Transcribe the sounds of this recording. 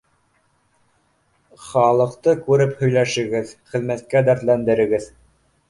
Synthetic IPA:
χɑlˠɤ̆qt̪ɤkʉɾɘphɵ̆jlæʃɘ̆ɡɘðχɘ̆ðmæt̪̚kæd̪æɾt̪lænd̪ɘ̆ɾɘ̆ɡɘð

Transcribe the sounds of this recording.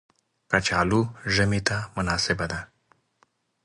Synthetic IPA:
kat͡ʃɑːluʒəmit̪amʊnɑːsɪbad̪a

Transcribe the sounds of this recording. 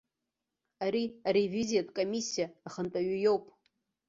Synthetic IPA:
aɾiaɾeviziatʼkʼomʲisʲːijaːχəntʼaɥijo̞wpʼ

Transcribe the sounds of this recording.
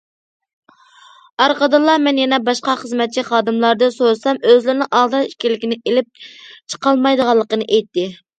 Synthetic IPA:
ɑɾqɑd̪ɨlˠːɑmɛnjɛnɛbɑʃqɑχəzmɛt̪̚t͡ʃʰiχɑːd̪ɨmlˠɑɾd̪ɨsoɾɨsɑmøzlɪɾɪnɪŋʔɑʁd̪ɑi̥ʃkʲilːɪkʲinɪelɪp̚t͡ʃʰə̥qʰɑlˠmɑjd̪əʁɑlˠːəqənɨʔɛjt̪ʰːɪ

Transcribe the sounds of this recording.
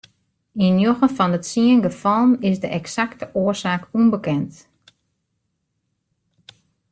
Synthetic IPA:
injoɣəfɔnətsiənɡəfɔlˠnɪsdəʔɛksaktəʔoərsaːkunbəkɛnt

